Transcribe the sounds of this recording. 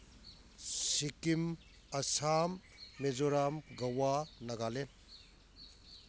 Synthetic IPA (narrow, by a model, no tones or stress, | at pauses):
sikim | ɐsamː | ezoɾamɡɐwanɐɡalen